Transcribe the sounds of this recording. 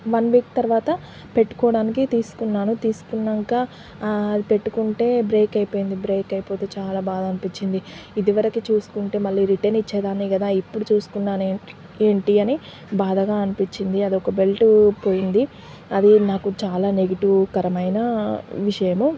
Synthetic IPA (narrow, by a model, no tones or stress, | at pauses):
ʋɐnʋiːkt̪ɐɾʋaːt̪ɐ | pe̞ʈːu̥kɔːɽaːnikit̪iːsu̥kunːaːnut̪iːsu̥kunːɐŋkaː | ɐd̪ipe̞ʈːukuɳʈe̞ːbɾe̞ːkɐjpoːjind̪ibɾe̞ːkɐjipo̞ːt̪eːt͡ʃaːlaːbaːd̪ɐnipiɲt͡ʃːind̪iid̪iʋɐɾɐkit͡ʃuːsu̥kuɳʈe̞ːmɐɭːiːɾiʈenit͡ʃːɛːd̪aːniɡɐd̪aːipːuɽut͡ʃuːsu̥kunːaːne | eːɳʈiɐni | baːd̪ɐɡaːɐnipiɲt͡ʃːind̪iɐd̪iɔkɐbe̞lʈupo̞ːjind̪i | ɐd̪inaːkut͡ʃaːlaːneɡiʈukɐɾɐmɐjnɐʋiʂɐjɐmu